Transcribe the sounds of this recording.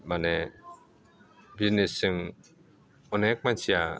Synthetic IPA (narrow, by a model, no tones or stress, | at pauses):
mane | biznesɯŋ | ɔnek̚mansija